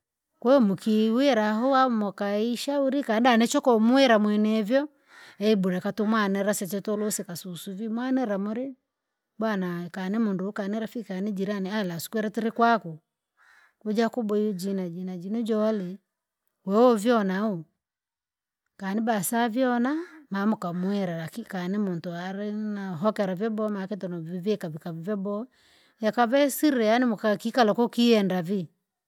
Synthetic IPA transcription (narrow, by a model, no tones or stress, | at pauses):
kwɛmukiwɛɾaɦɔamɔkaiʃauɾikandanɛt͡ʃɔkɔmuɛɾamwɛnɛvjɔ | ɛibuɾɛkatumwanɛɾasɛt͡ʃɛtɔlusɛkasusuvimwanɛɾamuɾi | bwanakanimundukaniɾafikanid͡ʒiɾanialasu̥kwɛɾatiɾikwaku | kud͡ʒakubɔd͡ʒinad͡ʒinad͡ʒinud͡ʒɔlɛ | wɛɔvjɔnau | kanibasavjɔnamamukamwɛɾaɾakikanimuntuaɾinaɦɔkɛɾavjɔbɔmakɛtɔnɔivikavikavivjɔbɔ | jakavɛsiɾɾɛjanimukakikalɔkɔkiɛndavi